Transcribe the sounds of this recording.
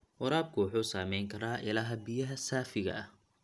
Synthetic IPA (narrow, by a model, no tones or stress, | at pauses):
ʔʊɾaːb̚kʰʊwʊħuːsaːmɛjŋkʰɐɾaːʔɪlaːɦɐbɪjɐɦɐsaːfɪɣɐ̰ɐ